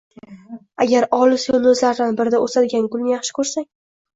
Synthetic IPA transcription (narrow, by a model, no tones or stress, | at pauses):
aɡʲaɾɒlɪsonʊzlaɾd̪anbɪɾɪd̪aosad̪ɪɡʲankʰʊlnɪjɑχʃɪ̥kʰɵɾsaŋʲ